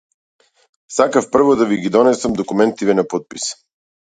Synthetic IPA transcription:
sakafpr̩vod̪aviɡid̪ɔnɛsəmd̪okumɛnt̪ivɛnapɔt̪̚pis

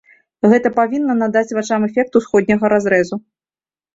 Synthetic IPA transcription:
ɣɛt̪ɐpavʲinːɐnad̪at͡sʲvat͡ʂamɛfʲɛk̚t̪usxɔd̪ʲnʲɐɣɐɾazɾɛzu

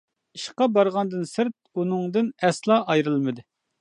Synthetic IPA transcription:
iʃqɑbɑɾʁɑnd̪ɨnsɨɾt̪̚unɨŋd̪ɨnɛslˠɑʔɑjɾɨlˠmɨd̪ɨ

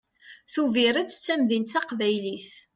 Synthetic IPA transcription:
θuviɾæt͡sːə̥t͡sːæmðint̪θæqvæjliθ

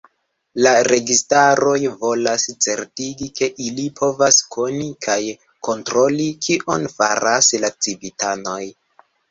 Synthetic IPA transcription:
laɾe̞ɡistaɾo̞jvo̞last͡se̞ɾtiɡike̞ʔilipʰo̞vaskʰo̞nikʰaj | ko̞ntɾo̞likʰiʔo̞nfa̰ɾaslat͡sivitano̞j

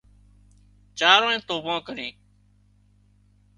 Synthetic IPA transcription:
t͡ʃaːɾõːẽːt̪oːbãːkəɾẽː

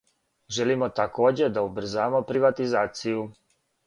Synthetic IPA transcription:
ʒelimo̞t̪ako̞ːd͡ʑe̞d̪aubr̩zaːmo̞pɾiʋat̪izaːt̪siju

